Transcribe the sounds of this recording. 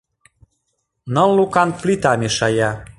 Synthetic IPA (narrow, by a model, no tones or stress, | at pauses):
nɤllukɑnplit̪ɑmeʃɑjɑ